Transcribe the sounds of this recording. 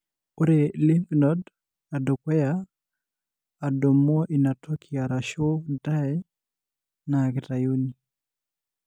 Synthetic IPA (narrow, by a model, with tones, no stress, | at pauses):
o˦ɾe˨li˦mpnɔd | a˨do˨kwɛ˦ja˨ | do˨mɔ˦ʔi˨na˨tʰɔ˦kʰia˨ɾa˨ʃo˦da˦ɛ˦ | naɡɪ˨ta˨jo˦ni